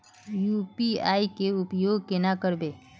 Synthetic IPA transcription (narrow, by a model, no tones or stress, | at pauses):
jupiaikeupjoɡ̚kenakəɾbe